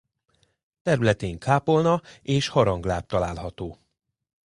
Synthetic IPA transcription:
t̪ɛɾylɛt̪eːŋkʰaːpo̞lnɒeːʃhɒɾɒŋɡlaːt̪ːɒlaːlɦɒt̪oː

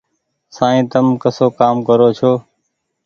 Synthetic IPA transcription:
sãːĩːt̪əmkəsoːkaːmkəɾoːt͡ʃʰoː

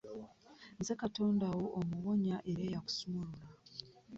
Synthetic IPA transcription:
nzekato̞ːndawo̞ʔomuwo̞ɲaʔe̞ɾeːjaku̥sumulula

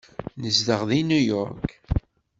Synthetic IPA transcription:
nəzd̪əʁðinujɔɾk

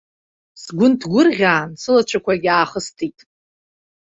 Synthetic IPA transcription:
sɡʷʊntʰɡʷʊrʁʲaːnsɨlat͡ʃʷʰakʷʰaɡʲaːχəstʰitʼ

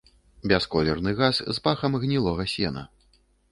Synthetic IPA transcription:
bʲɛskɔlʲɛrnɨɣaszpaxɐmɣnʲilˠɔɣɐsʲɛnɐ̰

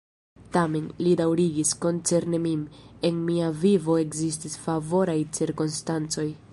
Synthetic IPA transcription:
tame̞nlidawɾiɡisko̞nt͡se̞ɾnemime̞nmiavivo̞e̞kzis̬tisfavo̞ɾajt͡siɾkonstant͡so̞j

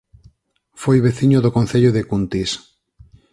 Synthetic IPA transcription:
fojβeθiɲoðokõnθeʎoðekunt̪is

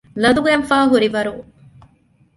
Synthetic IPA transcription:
lɐd̪uɡɛnfaːɦuɾiʋɐɾu

